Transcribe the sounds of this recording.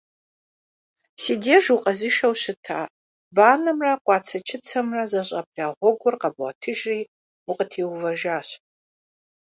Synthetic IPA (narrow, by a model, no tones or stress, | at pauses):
sideʒuqʼɐzɨʃɐwɕɨtʰaː | baːnɐmrɐqʷʼɑːt͡sʰɐt͡ʃʰɪt͡sʰɐmrɐzɐɕʼɐb̚daːʁʷɔɡʷʊrqɐba̰tʰɨʒriː | uqʼətʰiwvɐʒaːɕ